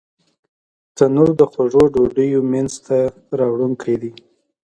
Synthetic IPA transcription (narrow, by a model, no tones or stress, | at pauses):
t̪anuɾd̪əxwaʐoɖoɖəjomanzt̪a | ɾɑwɽuŋkɽed̪i